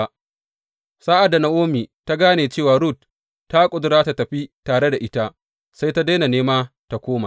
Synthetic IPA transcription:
saː˦ʔa˨dːa˨na˦ʔoː˦miː˨ta˦ɡaː˦neː˨t͡ʃeː˦˨waː˨ɽu˦˨t̚ː | a˦kʷʼʊ˦dʊ˦ɾaː˦ta˦tɐ˨ɸi˦taː˨ɽe˦da˨ʔɪ˦ta˦ | sa˦jta˦da˦na˨neː˦maː˦ | ta˦kʷoː˦ma˨

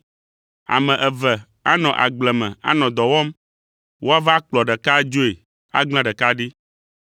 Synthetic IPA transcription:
a̰˨mɛ̃˨ʔɛ˨vɛ˨ | a˦nɔ̃˨ʔa̰˨ɡ͡blɛ˨mɛ̃˨a̰˦nɔ̃˨d̪ɔ˨wɔ˦m | wo˦a˦va˦k͡plɔ˨ɖɛ˨ka˦d͡ʒo˦e˨ | a̰˦ɡ͡bl̃ã˦ɖɛ˨ka˦ɖi˦

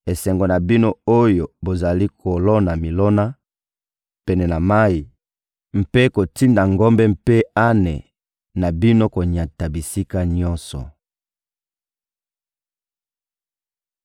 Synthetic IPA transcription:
e˨sɛ˨ŋɡo˨na˨bi˦no˦o˦jo˨bo˨za˨li˦kʰo˨lɔ˦na˨mi˨lɔ˦na˦ | pɛ˨nɛ˨na˨ma˦i˨ | m̩˨pe˦ko˨ti˦nda˨ŋɡo˦mbɛ˦m̩pe˦a˦nɛ˨ | na˨bi˦no˦ko˨ɲa˨ta˨bi˨si˦ka˦ɲɔ˦nsɔ̰˨

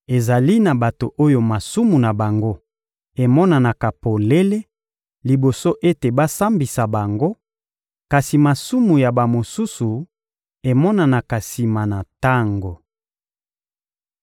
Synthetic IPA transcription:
e˨za˨li˦na˨ba˨to˨ʔo˦jo˨ma˨su˦mu˨na˨ba˨ŋɡo˦ | e˨mɔ˦na˨na˨ka˨po˨le˦le˦ | li˨bo˨so˦ʔe˦te˨ba˦sa˦mbi˨sa˨ba˨ŋɡo˦ | ka˨si˨ma˨su˦mu˨ja˨ba˨mo˨su˦su˨ | e˨mɔ˦na˨na˨ka˨si˨ma˨na˨ta˦ŋɡo˨

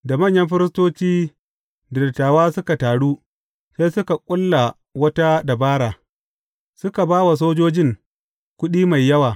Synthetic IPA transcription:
da˨mɐ˦˨ɲjɐ˦mɸɪ˦ɾɪ˦s̬toː˦t͡ʃiː˦ | dɪ˨tːaː˨waː˦sʊ˦ka˨taː˨ɽuː˦ | seː˦sʊ˦ka˨kʷʼʊ˦lːa˨ | wɐ˦ta˦da˨baː˦ɽaː˨ | sʊ˦ka˨baː˦wa˨s̬oː˦d͡ʒoː˦d͡ʒɪ˦ŋ | kʷʊ˦ɗiː˦ma˨jːɐ˦waː˨

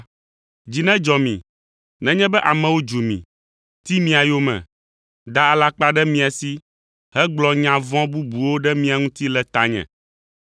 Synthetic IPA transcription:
d͡ʑi˨nɛ̃˦d͡ʒɔ˨mḭ̃˨ | nɛ̃˨˦ɲɛ̃˦bɛ˦ʔa˨mɛ̃˨wo˦d͡ʒu˨mḭ̃˨ | t̪i˦mĩ˦a˨jo˦mɛ̰̃˨ | d̪a˦a˨la˦k͡pa˦ɖɛ˦mĩ˦a˨si˦ | ɦɛ˦ɡ͡blɔ˨ɲã˨vɔ̃˦bu˦bu˨wo˦ɖɛ˦mĩ˦a˨ŋũ˦t̪i˦lɛ˨t̪a˦ɲɛ̰̃˨

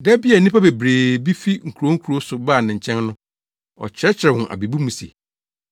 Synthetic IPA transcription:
dɛ˦bi˦ɛ˨nɪ̃˦pʰa˦be˨bɾeː˨bi˦fi˦ŋ̩˨kʰu˨ɾo˦ŋ̩˦kʰu˨ɾo˦sʊ˨baː˦˨nɪ̃˨ɲ̩˨t͡ɕʰɛ̃˦nnʊ̃˦ | ɔ̰˨t͡ɕʰɪ˦ɾɛ˦t͡ɕʰɪ˨ɾɛ˨hʊ̃˨ʔa̰˨bi˨bu˦mũ˨sḛ˨

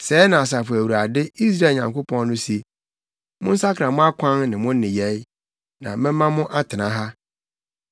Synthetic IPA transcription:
sɛː˨˦nã˨s̬a˨fʊ˨æ˨wu˨ɾa˨dɪ˦i˦s̬ɾa˦˨ɲã˨ŋko˦pʰɔ̃˦nːʊ̃˦si˦ | mʊ̃˦n̩˦sa˦kʰã˨mʊ̃˦a˦kʷʰã˦nnɪ̃˨mʊ̃˦n˦nɪ̃˨jɛ˨˦j | nã̰˨mɪ̃˦mã˦mʊ̃˦ʔa˦tʰɪ˨nã˦ɦa˦

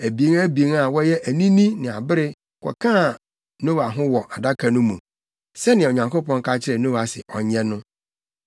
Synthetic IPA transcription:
æ˨bi˨e˦ŋæ˦bi˨e˦ŋa˨wɔ˦jɛ˦ʔæ˨nĩ˦nĩ˦nɪ̃˨a˨bɪ˦ɾɪ˦ | kʰʷɔ̰˨kʰã˦˨ | nõ˦wa˨ɦʊ̃˦wɔ˨ʔa˨da˦kʰa˨nʊ̃˦mũ˨ | sɛ˦nɪ̃˨ɲã˨ŋko˦pɔ̃˦ŋ˦ka˦t͡ɕʰɪ˦ɾɛ˨nõ˦wa˨sɪ̰˨ʔɔ˨ɲɛ̃˦nʊ̃˦

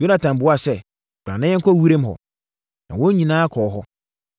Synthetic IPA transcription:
jo˦nã˨tʰã˨m˨bʊ˦a˦˨sɛ˦ | bɾã˨nɪ̃˦ɛ̃˦ŋ̩˦kʰɔ˦wi˦ɾẽ˦m˦ɦɔ̰˨ | nã̰˨wɔ̃˦ɲĩ˨nãː˦kʰɔː˨˦ɦɔ˦

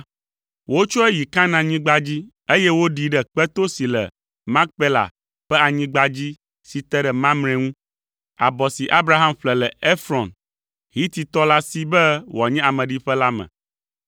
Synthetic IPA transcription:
wo˦t͡ʃɔ˦ɛ˦ji˨kã˦nã˨ɲĩ˦ɡ͡ba˦d͡ʑi˦ | e˦jɛ˦wo˦ɖi˨ɖɛ˦k͡pɛ˦t̪o˦si˨lɛ̰˨ | mã˦k̚pe˦la̰˨ | ɸɛ˦a˨ɲĩ˦ɡ͡ba˦d͡ʑi˦ | si˨t̪ɛ˦ɖɛ˨mã˦mnɛ̃˨ŋũ˦ | a̰˨bɔ˨si˨ʔa˦bɾa˦ɦa˦mɸlɛ˨lɛ˨e˦fɾɔ˨n | ɦi˦t̪i˨t̪ɔ˦la˦si˦bɛ˦wa˨ɲɛ̃˦a˨mɛ̃˨ɖi˦ɸɛ˦la˦mɛ̰̃˨

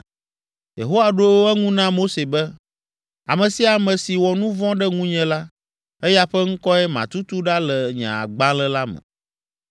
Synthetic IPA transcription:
jḛ˨ɦo˦wa˨ɖo˦wɛ˦ŋũ˦nã˦mo˦se˨bɛ˦ | a˨mɛ̃˨si˦a˨mɛ̃˨si˨wɔ˨nũ˦vɔ̃˦ɖɛ˦ŋũ˦ɲɛ̃˨la˦ | ɛ˦ja˦ɸɛ˦ŋ̩˦kɔ˦ɛ˦mã̰˨t̪u˦t̪u˦ɖa˦lɛ˨ɲã̰˨a̰˨ɡ͡bã˦lɛ˦la˦mɛ̰̃˨

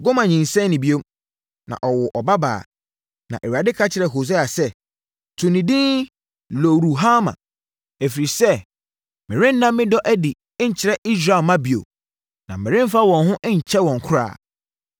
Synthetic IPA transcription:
ɡo˦mã˨ɲĩ˨nsɛ̃˦nː˦ɪ̃˨bi˦o˦ | nã̰˨ʔɔ˨wʊ˨ʔɔ˨ba˦ba̰ː˨ | nã̰˨ʔe˨ɥa˨dɪ˦kʰa˦t͡ɕʰɪ˨ɾɛ˨ɦo˨s̬e˦a˨sɛ˦ | tʰũ˨nĩ˨dĩ˦ | lo˨ɾu˨ɦa˦mã̰˨ | ɛ˨fi˨ɾi˨sɛ˦ | mɪ̃˨ɾɪ̃˦n̩ː˦nã˦mː˦ɪ̃˦dɔ˦ʔæ˦dɪ˨˦ | ɲ̩˨t͡ɕʰɪ˨ɾɛ˦ʔi˦s̬ɾa˨lmã˦bi˨o̰˨ | nã˨ɪ̃˨ɾɪ̃˦m˦fa˦wɔ̃˨nɦʊ̃˦ʔɲ̩˨t͡ɕʰɛ˦wɔ̃˨ŋ˨kʰʊ˦ɾa̰ː˨

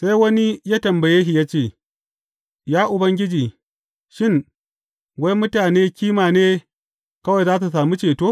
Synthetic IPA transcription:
sa˦jwɐ˦ni˦jaː˦tɐ˨mbɐ˨jeː˦ɦi˨jaː˦t͡ʃeː˦˨ | jaː˦ʔʊ˨bɐ˦ŋɡʲɪ˦d͡ʒiː˨ | ʃɪ˦ŋ | wa˦mʊ˦taː˨neː˦kʲiː˦maː˨neː˦ | kɐ˦wɐ˨jzaː˦s̬u˨s̬aː˨mu˦t͡ʃeː˨toː˦

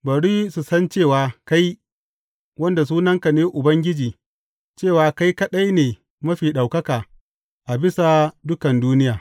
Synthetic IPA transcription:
bɐ˨ɽiː˦su˨sɐ˦nt͡ʃeː˦˨waː˨ka˦j | wɐ˦nda˨s̬uː˦nɐ˦ŋka˨neː˦ʔʊ˨bɐ˦ŋɡʲɪ˦d͡ʒiː˨ | t͡ʃeː˦˨waː˨ka˦jkɐ˦ɗa˦jneː˨ | mɐ˦ɸiː˨ɗa˨wkɐ˦kaː˨ | ʔa˨bɪ˦sa˨dʊ˦kɐ˨nduː˦nɪ˦jaː˨

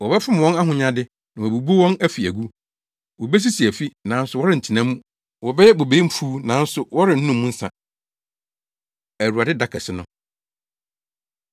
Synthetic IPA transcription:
wɔ˨bɛ˦fɪ˦m˨wɔ̃˦na˦ɦʊ̃˨ɲã˦dɪ˦ | nã˨ɔ˨bu˨bu˦wɔ̃˦næ˦fi˨æ˨ɡu˦ | wɔ˨bɛ˦s̬i˦si˨æ˨fi˦nã˨˦n̩˦sʊ˨wɔ˦ɾɪ˦˨n̩˨tʰi˨nã˦mũ˦ | wɔ˨bɛ˦jɛ˦bo˨be˨˦m̩˦fuː˦nã˨˦n̩˦sʊ˨wɔ˦ɾɪ̃˨n̩˦nũ˦mːũ˦n̩˦sã̰˨ | æ˨ɾu˨a˨dɪ˦da˨kʰɛ˨sɪ˦nʊ̃˨

